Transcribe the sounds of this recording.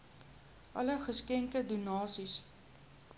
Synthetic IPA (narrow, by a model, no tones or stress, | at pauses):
ʔɐ̰ləχəskɛŋkədunɑːsis